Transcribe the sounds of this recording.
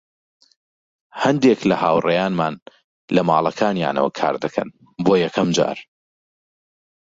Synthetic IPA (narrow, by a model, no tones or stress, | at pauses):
hɐnd̪eklɐhaːwrɐjaːnmaːn | lɐmaːlˠɐkʰaːnja̰ːnɐ̰wɐ̰kʰa̰ːɾd̪ɨkʰɐ̰n | boːjɐkʰɐmd͡ʒa̰ːɾ